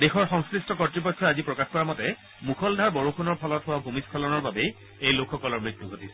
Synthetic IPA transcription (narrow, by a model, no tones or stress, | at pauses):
dexɔɹxɔŋskɹistʰɔkɔtɹipɔkʰːɔazipɹɔkaxkɔɹamɔtɛ | muxʰɔldʱaɹbɔɹukʰunɔɹpʰɔlɔtɦʊwabʱumiskʰɔlɔnɔɹbabe | ejlokʰxɔkɔlɔɹmɹik̚puɡʱotis